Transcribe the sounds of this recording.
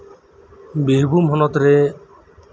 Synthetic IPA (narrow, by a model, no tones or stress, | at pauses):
biɦbumɦɔnɔt̪ɾe